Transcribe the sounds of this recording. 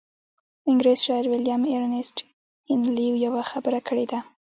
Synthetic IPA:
ɪŋɡɾezʃɑɪɾwɪljameɾnesʈ | ɪnliwjawaxabəɾakʰəɽed̪a

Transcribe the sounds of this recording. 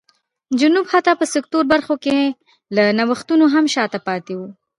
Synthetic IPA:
d͡ʒunubhat̪apəsɪk̚t̪uɾbaɾxoke | lanawəxt̪unoɦamʃɑt̪apɑt̪ewu

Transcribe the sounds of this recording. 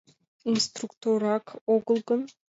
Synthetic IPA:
inst̪rukt̪oɾɑkoɡɤ̆lˠɡɤ̆n

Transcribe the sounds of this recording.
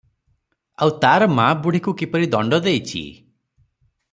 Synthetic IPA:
awt̪aɾɔmabuɽ̤ikukipɔɾid̪ɔɳɖɔd̪ejt͡ʃʰḭ

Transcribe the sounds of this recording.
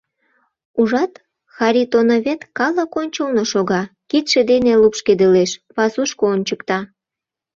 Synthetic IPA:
uʒɑt̪ | xɑɾʲit̪onoβet̪kɑləkonʲt͡ɕolnoʃoɣɑkit̪ʃed̪enelupʃked̪eleʃpɑsuʃkoonʲt͡ɕəkt̪ɑ

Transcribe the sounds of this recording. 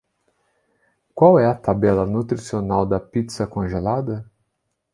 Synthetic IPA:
kwawɛɐt̪abɛlɐnut̪ɾisionawd̪ɐpit̪sɐkõʒelad̪ɐ

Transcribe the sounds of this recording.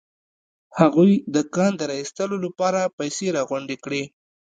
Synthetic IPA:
haɣujd̪əkɑnd̪əɾɑist̪əlolapɑɾapajseɾɑɣwʊɳɖekɽe

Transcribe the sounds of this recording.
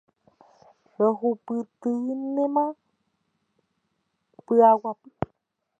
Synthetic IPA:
əɦupɨt̪ɨnemã | pɨawapɨ

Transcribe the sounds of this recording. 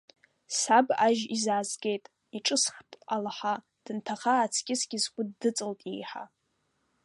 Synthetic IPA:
sabaʒizaːzɡʲe̞jtʼ | iʈ͡ʂʼɨsχtʼalaħa | d̥ɨntʰaχaːt͡sʰɡʲʼɪzɡʲɪzɡʷʼʊdːɨt͡sʼɨltʼḭjħa̰

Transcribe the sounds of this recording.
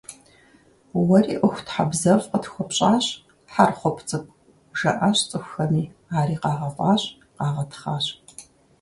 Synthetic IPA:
wɐriːʔʷʊxʷtħabzɐfqətxʷɔpɕʼaːɕʼ | ħarχʷɔpʰt͡sʼɨpʷʼ | ʒɐ̰ʔɐɕt͡sʼɨxʷxɐniːaːɾiːqɑːʁɐfʼaːɕʼ | qɑːʁɐtʰχaːɕʼ

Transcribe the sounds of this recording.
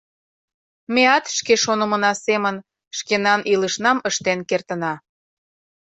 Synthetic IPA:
meɑt̪ʃkeʃonə̆mə̆nɑsemən | ʃkenɑnʔiləʃnɑməʃt̪enkert̪ənɑ

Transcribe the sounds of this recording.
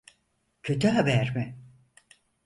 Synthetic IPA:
cʰø̞t̪ʰyɦabæɾmɪ

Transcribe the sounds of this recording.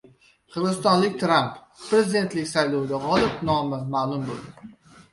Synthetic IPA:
qʰɨɾʁɨsst̪ɒnlˠɪk̚ʲt̪ʰɾampː | ɾezid̪e̞nt̪lɪkʲsajlˠowd̪aʁɒlˠɪpnɒmɪmalˠʊmbolˠd̪ɪ

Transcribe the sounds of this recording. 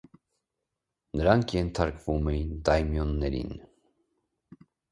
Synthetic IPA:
nəɾɑŋkʰjɛnt̪ʰɑɾkvumɛint̪ɑjmjɔnːɛɾḭn

